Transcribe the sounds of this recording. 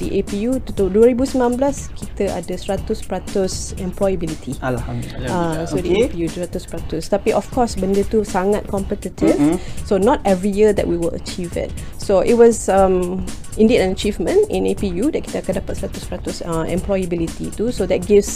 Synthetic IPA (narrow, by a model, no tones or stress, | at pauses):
diʔepijut̪ut̪oduəɹibusmãmblaskʰit̪əʔa̰dəsɹat̪uspɹat̪usɛ̃mplɔjəbilitʰiaasodiepijuɹat̪uspɹatust̪apiʔɔfkʰɔsbə̃ndət̪usaŋat̚kɔ̃mpətitʰivsonɔtɛvɹijədɛ̰ʔ̚wiwələ̰t͡ʃivɪ̰t̚ | soʔit̚wɔsãm | ĩndidãnət͡ʃivmə̃nḭ̃nepijudɛt̚ki̥t̪əkədapətsɹatuspatusaɛ̰̃mplɔjəbilit̪itusodɛt̚ɡifs